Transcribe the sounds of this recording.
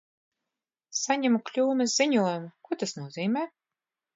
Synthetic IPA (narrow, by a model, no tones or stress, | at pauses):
saɲʲɛmuklʲuːmɛsziɲuɔjumukuɔt̪asnuɔziːmʲɛː